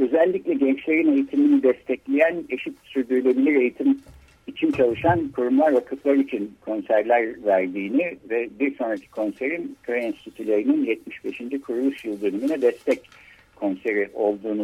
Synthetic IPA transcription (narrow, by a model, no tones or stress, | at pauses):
ø̞zɛlʲːicʲlʲɛɟɛnt͡ʃlʲe̞ɾine̞jit̪ʰiminid̪ɛst̪ʰɛclʲejæne̞ʃit̪syɾd̪yɾylʲe̞bilʲiɾe̞jit̪ʰim | it͡ʃʰint͡ʃʰalˠɯʃankʰuɾumlˠaɾvakʰɯt̪lˠaɾɯit͡ʃʰinkʰo̞nsæɾlʲæɾvæɾd̪iːnivɛbiɾso̞nɾacʰi̥kʰo̞nse̞ɾinkʰejinst̪ʰit̪ʰylʲe̞ɾininjɛt̪miʃbe̞ʃind͡ʒikʰuɾulˠuʃjɯlˠd̪ø̞nyminɛd̪ɛst̪ʰɛc | kʰːo̞nse̞ɾiʔo̞lˠd̪uːnu